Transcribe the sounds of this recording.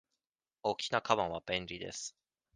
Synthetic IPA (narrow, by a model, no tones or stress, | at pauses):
okʲinakʰaβãɰ̃βab̥ẽ̞nʲɾʲid̪e̞̰sɨ̥